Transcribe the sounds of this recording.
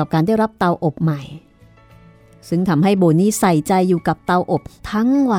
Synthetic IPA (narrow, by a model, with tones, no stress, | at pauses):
a˨˩p̚kaː˧nda˥˩jɾa˦˥p̚t̪a˧wʔo˨˩p̚ma˨˩j | sɯ˥˩ŋt̪ʰa˧mɦa˥˩jboː˧niː˦˥˩sa˨˩jt͡ɕa˧jːuː˨˩ka˨˩p̚t̪a˧wʔo˨˩p̚t̪ʰa˦˥ŋwa˧